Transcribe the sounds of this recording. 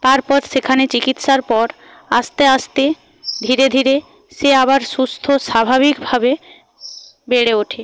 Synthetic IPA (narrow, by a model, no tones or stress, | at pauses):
t̪aɾpɔɾʃekʰanet͡ɕikit̪ʃaɾpɔɾ | ast̪east̪e | d̪ʱiɾed̪ʱiɾe | ʃeaβaɾʃust̪ʰoʃabʱabikbʱabe | beɽeoʈʰe